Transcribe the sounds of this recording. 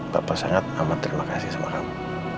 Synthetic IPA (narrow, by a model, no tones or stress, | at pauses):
papasaŋat̪̚amat̪ɾimakasisəma̰ɾam